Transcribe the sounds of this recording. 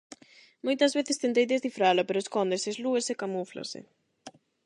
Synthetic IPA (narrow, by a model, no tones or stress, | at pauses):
mojt̪ɐzβeθɪst̪ent̪̬ejd̪ezðifɾalʊpeɾʊeskɔnd̪esezluesekamufla̰sɪ̰